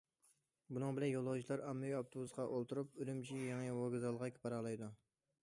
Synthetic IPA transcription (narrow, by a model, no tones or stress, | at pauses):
bunɨŋbɪlɛnjolˠːɑwt͡ʃʰilˠɑɾɑmːɨjɑpt̪ʰobuzqɑʔolˠt̪uɾup̚ylymt͡ʃʰijɑŋiwoɡɨzɑlˠʁɑkʲʰi̥pɑɾɑlˠɑjd̪u